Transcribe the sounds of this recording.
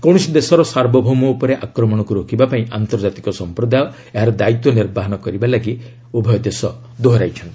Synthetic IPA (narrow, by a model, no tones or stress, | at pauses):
kɔw̃ɔsid̪esɔɾɔsaɾbɔbʱumɔupɔɾeʔakɾɔmɔɽ̃ɔkuɾokʰibapaĩʔant̪ɔɾd͡ʒat̪ikɔsɔmpɾɔd̪ajɔ | eɦaɾɔd̪ait̪wɔniɾbaɦɔnɔkɔɾibalaɡi | obʱɔjɔd̪esɔ | d̪oɦɔɾajt͡ʃʰɔnt̪ii